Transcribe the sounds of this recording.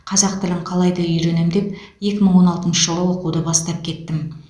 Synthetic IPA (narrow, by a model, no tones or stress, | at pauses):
qʰɑzɑqt̪ɪlɪɴqʰɑlˠɑjd̪ɑʏjɾe̞nemd̪e̞p̚ | je̞kʲɪməɴwo̞nɑlˠt̪ənʃəʒəlˠəwo̞quwd̪əbɑst̪ɑp̚kʲʰe̞t̪ːɪm